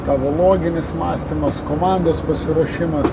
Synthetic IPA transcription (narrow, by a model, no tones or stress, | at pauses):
t̪ɑːʋoːlˠoːɡʲɪnʲɪsmɑːsʲt̪ʲɪmɐskoːmɑnd̪oːspɐsʲɪɾuɔʃʲɪmɐs